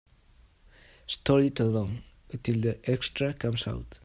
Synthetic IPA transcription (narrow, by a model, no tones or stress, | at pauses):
st̪ɔɹit̪əlõŋ | ət̪ild̪əʔɛkst̪ɾakʰãmsa̰wt̪